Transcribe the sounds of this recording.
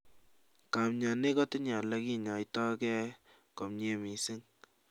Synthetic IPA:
ka˨mɲa˨ne˦kɔ˦tɪ˦ɲa˨lɛ˦ki˦ɲa˨jtɔ˦kɛ˦ | ko˨mɲe˨mi˨si˦ŋ

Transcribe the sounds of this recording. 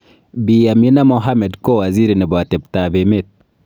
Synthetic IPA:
bi˨ja˨mi˦na˦mɔ˨ɦa˦mɛ˨dko˦wa˨zi˦ɾi˨nɛ˨ba˨tɛ˨b̚ta˨be˨met̪̚

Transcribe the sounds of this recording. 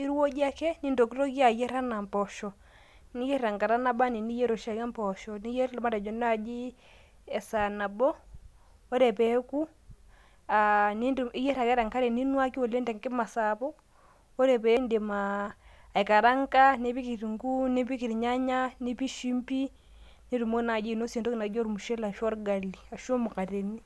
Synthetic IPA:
i˦ɾwɔ˦d͡ʒa˦kɛ˦ni˦ndo˨ki˦ɾɔ˦ki˦a˨jɛ˦ɾa˦na˨mpɔ˨ʃɔ˨ | ni˦jɛ˦ɾa˨ŋka˨ɾa˦na˦ba˦ni˨ni˦jɛ˦ɾo˨ʃa˨ka˦mpɔ˨ʃɔ˨ni˦jɛ˦ɾlma˦tɛ˨d͡ʒɔ˨n˦a˦˨d͡ʒi˦ | ɛ˨sa˨na˨bɔ˦ | ɔ˦ɾɛ˨pɛ˨˦ku˦ | ani˦ndi˦jɛ˦ɾa˨kɛ˦ɾa˨ŋka˦ɾe˨ni˦nwa˦ki˦o˨le˦ndɛ˨ŋkɪ˦ma˨sa˨pɔ˦ | o˦ɾɛ˨pɛ˨˦nde˨maː˨ | i˨ka˨ɾa˦ŋka˦ne˦pi˦ki˨ɾi˨ŋɡu˦ni˦pi˦ki˨ɾi˨ɲa˦ɲa˦ni˦pi˦ʃi˦mpi˦ | ni˦ɾu˨mo˦na˨d͡ʒi˦˨no˦se˨ndo˦ki˨na˨d͡ʒo˦ɾmu˨ʃe˦la˨ʃɔ˦ɾɡa˨li˨a˨ʃo˦mu˨ka˨ɾe˨ni˦

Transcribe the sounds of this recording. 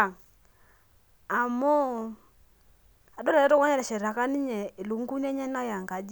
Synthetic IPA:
a˨mɔ˦ | a˨dɔ˦la˨lɛ˦tɔ˦ka˦ɲɛ˨ɾɛ˨ʃɛ˨ɾa˨ka˦ni˦ɲɛ˨lu˨ŋ˦ɡu˦ɲ˦ɛ˦ɲɛ˦na˦ja˨ŋɡa˨d͡ʒ

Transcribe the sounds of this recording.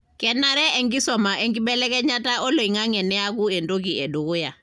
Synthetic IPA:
kɛ˨na˨ɾɛ˦ɛ˨ŋɡi˦sɔ˨ma˨ʔɛ˨ŋɡi˦ɓɛ˦lɛ˦kɛ˦ɲa˦ta˦ɔ˦lo˨i˨ŋa˦ŋɛ˨nɛ˦a˦k̬u˦ɛ˨ndo˦k̬i˨ɛ˨du˨ko˦ja˨

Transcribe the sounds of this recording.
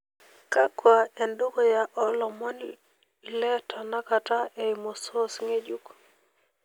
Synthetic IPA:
ka˦kwa˨ɛ˨ndo˦ko˦ja˨ʔɔ˦lɔ˨mɔ˦n | lɛ˦tʰɔ˨na˦kata˦ʔɛ˨jmo˨so˦sŋe˦d͡ʒu˨k

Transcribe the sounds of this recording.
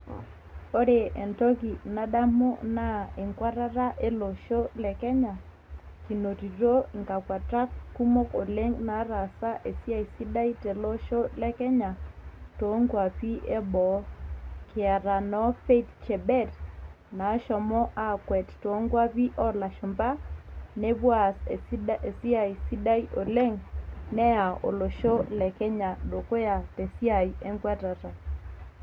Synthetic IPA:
o˦ɾe˨ʔɛ˨ntɔ˦ki˨na˦ɗa˦mo˦na˦e˨ŋkwa˦ɾa˦ɾa˦ʔe˦lo˨ʃo˦lɛ˨kɛ˦ɲa˨ | ki˨no˨ti˨ɾo˦˨ŋɡa˨kwa˨tɾa˦kku˦mo˦ko˨le˦ŋna˨˦ɾa˨sa˦ʔe˨si˦a˦˨i˨si˦da˦i˦te˨lo˦ʃo˦lɛ˦kɛ˦ɲa˨to˨˦ŋɡwa˨pi˦ʔe˦bɔ˨˦kɪ˨a˨ɾa˨nɔ˨˦fe˦tt͡ʃɛ˨bɛ˦˨t | na˨˦ʃɔ˨mɔ˦ʔa˦kwɛ˨tto˨˦ŋɡwa˦pi˦ʔɔ˦la˨ʃʊ˨mba˦ne˦βwa˦˨se˨si˦a˨i˨si˦ɗa˦i˦ʔo˨le˦ŋnɛ˦a˨o̰˨lo˨ʃo˦lɛ˨kɛ˦ɲa˨ɗo˨ko˦ja˨te˨si˦a˨i˨ɛ˦ŋɡwɛ˦ta˨ta˨

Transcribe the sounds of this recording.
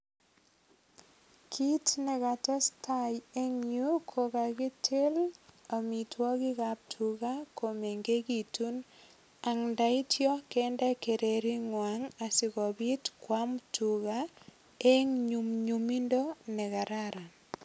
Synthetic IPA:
kʰi˦tnɛ˨ka˨tɛ˦stʰaje˦ŋɲu˦kʰo˨ka˨ɡɪ˦tʰɪ˦la˨mi˨twɔ˦ɡɪ˦ɣa˨p̚tʰu˨ɣa˦ko˨me˨ŋɡe˦ɡi˨tu˦n | a˨ŋnda˨i˦tjɔ˦kɛnda˦ke˨ɾe˨ɾi˦ŋwaŋa˨sɪ˨ɣɔ˨bi˦tkwa˦mtʰu˨ɣa˦ | e˦ŋɲu˨mɲu˨mi˦ndo˦nɛ˨ɣa˨ɾaɾa˨

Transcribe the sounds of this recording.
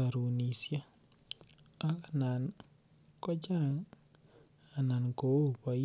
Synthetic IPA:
a˨ɾu˨ni˨sja˦ | a˦ka˨na˨n | kɔ˦d͡ʒa˦ŋ | a˨na˨nko˨o˦˨pa˨

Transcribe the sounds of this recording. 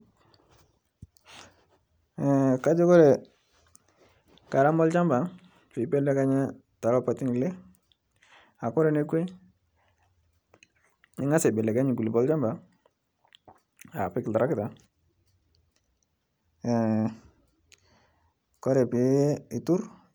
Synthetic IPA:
ɛ˨ka˦d͡ʒɪ˦kɔ˦ɾɛ˨ | ka˨ɾa˦mɔ˦lt͡ʃa˦mba˨ | pɪ˨bɛ˦lɛ˦ka˦ɲɛ˦ | ta˨lɔ˦pa˨ti˦ŋ˨lɛ˦ | a˨kɔ˦ɾɛ˨ne˦ke˦ | ɪ˦ŋa˦sɛ˨bɛ˨lɛ˨ka˦ɲɪ˨ku˨li˨bɔ˦lt͡ʃa˦mba˨ | a˨pɪ˦kɪ˨ta˨ɾa˦kɪ˦ta˨ | kɔ˦ɾɛ˨pɪ˨˦ɪ˨tu˦ɾ

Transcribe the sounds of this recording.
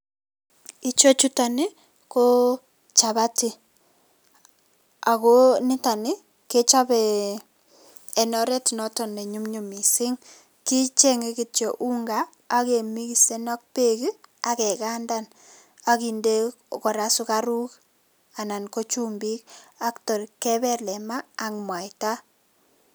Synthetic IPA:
i˦t͡ʃo˦t͡ʃu˦ta˨nɪ˦ | ko˦ | t͡ʃa˨βa˦ti˦ | a˨ko˦nɪ˦ta˨nɪ˦ | ke˦t͡ʃa˦bɛ˨ | nɔ˦ɾɛ˦tnɔ˦tɔ˨ne˨ɲu˦mɲu˨mi˨sɪ˦ŋ | ki˦t͡ʃe˦ŋe˦ki˨tjɔ˨ʔu˦ŋɡaː˦ | ke˨mi˦ki˨se˦nɔ˦k̚pe˦ki˦a˦kɛ˨ka˦nda˦n | a˨ki˨nde˦ | kɔ˨ɾa˦su˦ka˦ɾu˦k | a˨na˨nko˦t͡ʃu˦mbi˦k̚a˦ktɔ˨ɾkːɛ˦bɛ˦lɛ˨ma˦a˨ŋmwa˨jta˦

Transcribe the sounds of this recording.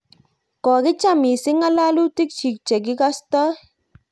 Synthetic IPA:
kɔ˨kɪ˦t͡ʃa˦mi˨sɪ˦ŋa˦la˦lu˦ti˦k̚t͡ʃi˨k̚t͡ʃe˨k̬ɪ˦ka˦stɔ˦

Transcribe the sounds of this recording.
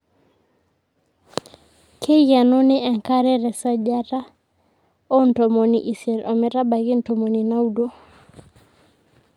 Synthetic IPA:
kʰe˦ɣa˨no˦nɪ˦ɛ˨ŋka˦ɾɛ˦ɾɛ˨sa˦d͡ʒa˦ta˦ | ɔ˦n̩˨tɔ˨mɔ˨nḭ˨ʔi˨sɛ˨lʔɔ˨mɛ˨ɾa˦ba˨ɣɪ˦n̩tɔ˨mɔ˨ni˨na˦u˦do˦

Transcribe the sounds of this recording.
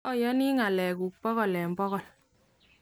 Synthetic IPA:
ɔ˦jɔ˦ni˦ŋa˨lɛ˨ku˨k̚pɔ˦ɣɔ˨lɛ˨mbɔ˦ɣɔ˨l

